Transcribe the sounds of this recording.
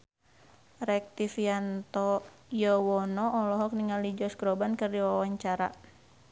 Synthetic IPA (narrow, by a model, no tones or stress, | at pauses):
rɛk̚t̪ifiant̪ɔ | jɔwɔnɔːlɔɦɔk̚niŋalid͡ʒɔsɡɾɔbankərdiwaawaɲt͡ʃaɾa̰